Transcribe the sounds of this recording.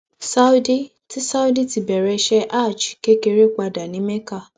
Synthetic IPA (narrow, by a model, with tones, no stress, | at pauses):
sa˦u˦di˦ | ti˦sa˦u˦di˦ti˧˨bɛ˨ɾɛ˧ʃɛ˦ʔa˦˨t͡ʃke˦ke˧ɾe˦k͡pa˧da˨nĩ˨˦mɛ̃˦ka˧˨